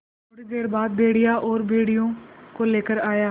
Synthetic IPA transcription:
ʊɽd̪eːɾbaːd̪̚bʱeːɽɪjaːʔɔːɾbeːɽijõːkoːleːkəɾaːjaː

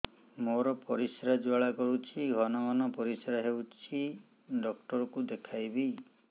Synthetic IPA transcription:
moɾɔpɔɾisɾad͡ʒuaɭakɔɾut͡ʃʰiɡʱɔnɔɡɔnɔpɔɾisɾaɦewt͡ʃʰi | ɖɔk̚ʈɔɾɔkud̪ekʰajbi

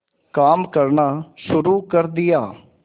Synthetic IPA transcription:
kaːmkəɾnaːʃʊɾuːkəɾd̪ɪjaː

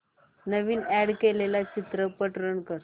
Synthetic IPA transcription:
nəʋiːnæɽkelelat͡ɕit̪ɾəpəʈɾəɳkəɾ

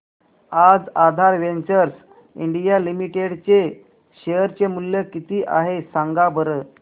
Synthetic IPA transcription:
ad͡zad̪ʱaɾʋeɲt͡ɕəɾs | ḭɳɖijalimiʈeɽt͡ɕe | ɕejəɾt͡ɕemuljəkit̪iːʔaɦesaŋɡabʱəɾə

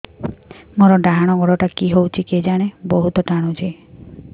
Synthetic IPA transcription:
moɾɔɖaɦaɽ̃ɔɡɔɽɔʈakiɦowt͡ʃʰiked͡ʒaɽ̃ebɔɦut̪ɔʈaɽ̃ud͡ʒʰe

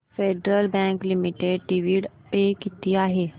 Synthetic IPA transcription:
feːɖɾəlbɛ̃ːŋklɪmiʈeɖʈiʋiɖpeːkɪt̪iaːɦeː

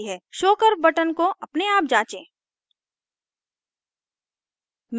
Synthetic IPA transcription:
ɦɛːʃoːkəɾbɐʈənkoʔɐpneaːp̚d͡ʒãːt͡ʃẽː | m

